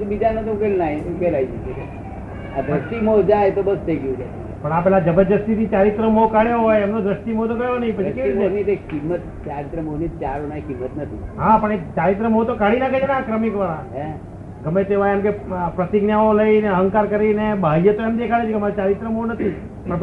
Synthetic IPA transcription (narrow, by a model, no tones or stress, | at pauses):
bid͡ʒanət̪ũkelnaɦĩũkelait͡ʃet͡ʃeke | ad̪ɾəsʈimod͡ʒajt̪obəst̪ʰəiɡũd͡ʒa | pəɳapɛlad͡ʒəbəd͡ʒəst̪it̪ʰit͡ʃaɾit̪ɾəmokaɽjoɦojemnod̪ɾəsʈimot̪okəjonəɦĩpət͡ʃʰikeʋienit̪ekimːət̪t͡ʃaɾit̪ɾəmonit͡ʃaɾonaɦikimːət̪nət̪ʰiɦapəɳet͡ʃaɾit̪ɾəmət̪okaɽinakəd͡ʒenaːkɾəmikʋaɾaɦɛ̃ | ɡəmːet̪eʋajemkepɾət̪iɡnjaoləineəɦə̃ŋkaɾkəɾinebʱajət̪oemd̪ekʰaɭet͡ʃʰeɡəmat͡ʃaɾit̪ɾəmonət̪ʰi | pəɳ